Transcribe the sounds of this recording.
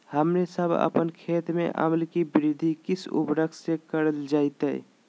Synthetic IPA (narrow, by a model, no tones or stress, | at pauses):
həmɾesəbʱə̰pənkʰeːt̪mḛ̃ʔə̰məlkibɪɾɪd̪ʱikɪsṵpɾəksekəɾəld͡ʒaːɪt̪ɦɛ̰